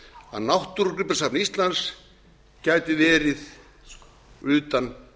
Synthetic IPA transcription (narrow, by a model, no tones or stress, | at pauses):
a̰ðnawht̪uɾɾʏpḁsapnist̪lans | caːjt̪ʏvɛːɾɪð | ʏːt̪an